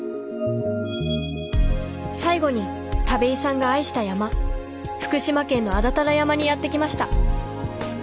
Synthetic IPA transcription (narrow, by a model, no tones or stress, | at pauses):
saiɡo̞ɲ̟i | t̪abe̞isãŋɡaːiɕi̥t̪ajama | ɸɯ̟̥kɯ̟ɕimakẽ̞nːo̞ad̪at̪aɾajamaɲ̟ijat̪ːe̞kʲimaɕi̥t̪a